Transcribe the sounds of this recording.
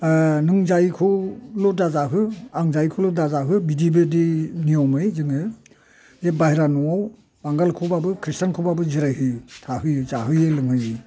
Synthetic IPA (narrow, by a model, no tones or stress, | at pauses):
nɯŋzajkʰulɔdazaɦɯaŋzajkʰulɔdazaɦɯbidibediniɔmɯjzɯŋɯ | ebajɾanɔaw | baŋɡalkʰubabɯkʰɾistankʰubabɯziɾajhɯtʰahɯjɯzaɦɯjɯlɯŋhɯjɯ